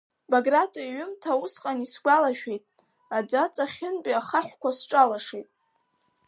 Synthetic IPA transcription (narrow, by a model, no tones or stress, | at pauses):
baɡratʼoiɥʏmtʰausqʼanisɡʷalaʃᶣejtʼ | ad͡zat͡sʼaχʲɪnbʼaχaħʷᶣkʷasʈ͡ʂʼalaʂejtʼ